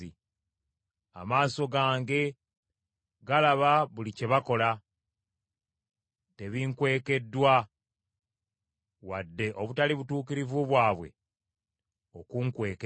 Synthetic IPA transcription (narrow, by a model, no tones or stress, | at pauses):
i | a̰maːso̞ɡaːŋɡe̞ | ɡalaβaβulice̞βako̞la | te̞βiŋkwe̞ːke̞dːwa | wadːe̞ʔo̞βutaliβutuːkiɾivuβwaːβwe̞̰ | o̞kuŋkwe̞ːk